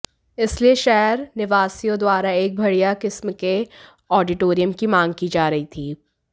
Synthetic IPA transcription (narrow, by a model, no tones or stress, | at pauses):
ɪslieʃɛɦɾnɪʋaːsijõd̪waːɾaeːk̚bʱɐɽijakɪsmke | ɔːɖɪʈoːɾijəmkimãːŋɡ̚kid͡ʒaːɾɐɦit̪ʰiː